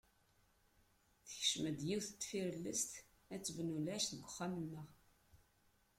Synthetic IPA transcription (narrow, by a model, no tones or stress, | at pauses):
θəçʃməd̪jiwθət̪ːfiɾlːəst̪ | æt͡sːəvnulæʃθəɡʷʊχːamənːəʁ